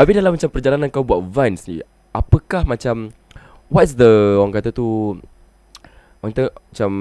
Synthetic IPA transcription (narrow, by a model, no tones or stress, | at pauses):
abidalamːat͡ʃampərd͡ʒalananŋkawbuat̪̚vãnsnḭ | ʔapəkahmat͡ʃam | wɔtsd̪əɔɣaŋkat̪at̪u | ɔt̪əmat͡ʃam